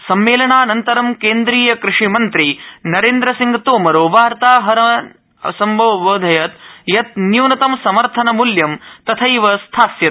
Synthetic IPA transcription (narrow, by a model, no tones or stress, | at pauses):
sɐmːeːlɐɳaːnɐnt̪ɐɾɐmkeːnd̪ɾiːjɐkɾɪʂimɐnt̪ɾinɐɾeːnd̪ɾɐsiŋɡɐt̪oːmɐɾoːʋaːɾt̪aːɦɐɾɐ | sɐmboʋʋoːd̪ʱɐjɐt̪jɐt̪̚njuːnɐt̪ɐmsɐmɐɾt̪ʰɐnɐmuljɐmt̪ɐt̪ʰɐjʋɐst̪ʰaːsjɐt̪̚